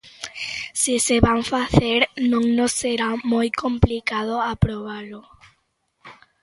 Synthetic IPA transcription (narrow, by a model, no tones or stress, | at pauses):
siseβaɱfaθeɾnõŋnosːeɾamojkomplikað̞oapɾoβalo